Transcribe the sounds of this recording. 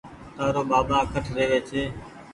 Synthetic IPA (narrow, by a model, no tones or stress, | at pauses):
t̪aːɾoːbaːbãːkʰəʈʰɾeːʋeːt͡ʃʰeː